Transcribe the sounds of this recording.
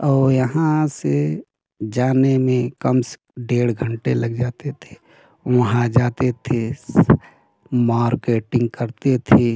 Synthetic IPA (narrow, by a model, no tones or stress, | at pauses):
ɔːɾjəɦãse | d͡ʒaːnemẽkəms | ɖeːɽɡʱəɳʈeləɡd͡ʒaːt̪et̪ʰe̥ | ʋɐɦãd͡ʒaːt̪et̪ʰe | maːɾkeːʈɪ̃ŋɡ̚kəɾt̪et̪ʰe